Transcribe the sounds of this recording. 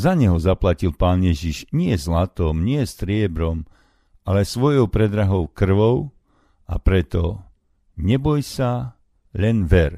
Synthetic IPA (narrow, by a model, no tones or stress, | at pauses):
zaɲɛɦɔzaplacilpaːnjɛʒiʒɲɪɛzlat̪ɔmɲɪɛst̪ɾɪɛbɾɔm | alɛsʋɔjɔʊpɾɛd̪ɾaɦɔʊkr̩ʋɔʊ | apɾɛt̪ɔ | ɲɛbɔjsa | ʎɛnʋɛɾ